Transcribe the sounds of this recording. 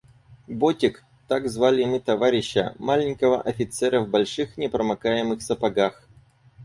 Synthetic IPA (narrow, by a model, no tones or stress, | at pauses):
botʲɪk | t̪aɡzvalʲɪmɨt̪ɐvaɾʲɪɕːə̰malʲɪnʲkəvə̰ʔɐfʲɪt̪sɛɾəvbɐlʲʂɨxnʲɪpɾəmɐkajɪmɨxsəpɐɡax